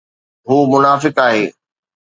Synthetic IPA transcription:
ɦuːmʊnaːfɪkaːɦeː

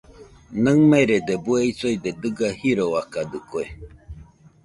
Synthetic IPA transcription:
nɨŋmẽɾed̪ebueisojd̪ed̪ɨɡahiɾoakad̪ɨkoe

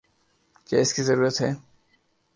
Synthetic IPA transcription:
kɛeskizɐɾuɾat̪ɦɛ

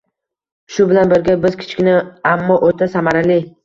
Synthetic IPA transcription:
ʃʊbɪlanbɪɾɡʲabɪzkʲʰɪ̥t͡ʃkʲɪnɪamːɒʔot̪ʰasamaɾalɪ

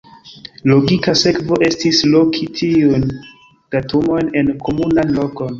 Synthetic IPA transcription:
lo̞ɡikase̞kvo̞ʔe̞stislo̞kʰitʰiujn | d̥atumo̞jne̞nkʰo̞munanlo̞ko̞n

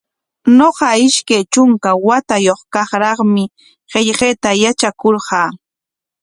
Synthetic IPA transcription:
noɢɑɪʃkajt͡ʃʊŋkawat̪ajoχkɑχɾɑχmɪ | ɢeʎɢeːt̪ajat͡ʃakoɾɢɑː

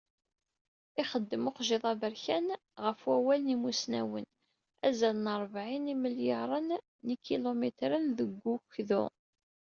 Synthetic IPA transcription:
ɪχəd̪ːəmoqʒɪðˤɑbəɾçæn | ʁəfwæwælənimusnæ̰wə̰n | æzælənəɾˤvʕiniməljəɾˤənː | ikːilomet̪ɾənðəɡʷːuçðṵ

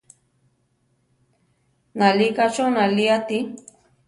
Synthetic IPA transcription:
nalikat͡ʃonaliat̪i

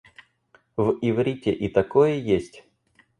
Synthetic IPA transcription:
vɪvɾʲitʲɪʔit̪ɐkojəjesʲtʲ

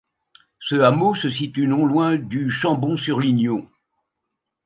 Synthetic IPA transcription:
səamosəs̬it̪ynɔ̃lwɛ̃d̪yʃɑ̃bɔ̃syʁlinjõ

